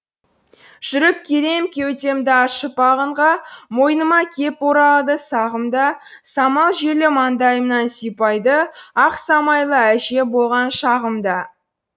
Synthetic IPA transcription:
ʒ̥ʏɾɪp̚kʲʰeɾe̞mkʲʰe̞wt̪e̞md̪ɪɑʃəpɑʁəɴʁɑmo̞jnəmɑkʲʰe̞poɾɑlˠəd̪əsɑʁəmd̪ɑ | sɑmɑlˠʒelɪmɑnd̪ɑjəmənɑnsijpɑjd̪əɑqsɑmɑjlˠəæʒe̞bo̞lˠʁɑnʃɑʁəmd̪ɑ

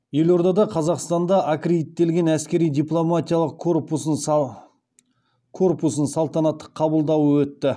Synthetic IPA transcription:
je̞lo̞ɾd̪ɑd̪ɑqʰɑzɑqst̪ɑnd̪ɑʔakred̪it̪ːe̞lɡʲe̞næskʲe̞ɾijd̪ijplˠomat̪ijalˠəqʰpusən | kʰo̞rpusənsɑlˠt̪ɑnɑt̪ːə̥qʰːɑbəlˠd̪ɑwəwɵt̪ːɪ

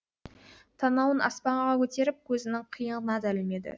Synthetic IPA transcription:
t̪ʰɑnɑwənʔɑ̰spɑɴʁɑkʲʰɵt̪e̞ɾɪp̚kʲʰɵzɪnɪŋqʰijəɴənɑd̪ælɪlme̞d̪ɪ̰

